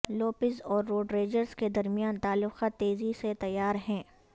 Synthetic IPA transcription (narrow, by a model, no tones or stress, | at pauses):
loːpɪzɔːɾːoːɖɾeːd͡ʒəɾzked̪ɐɾmijaːnt̪aːlːʊxat̪eːziset̪ɐjːaːɾɦɛ̃ː